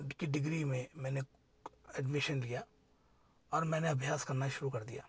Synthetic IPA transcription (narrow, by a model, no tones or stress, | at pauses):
kiɖɪɡɾimẽmɛ̃ːne | ɛɖmɪʃənlija | ɔːɾmɛ̃ːneɐbʱjaːskɐɾnaʃʊɾukɐɾd̪ija̰ː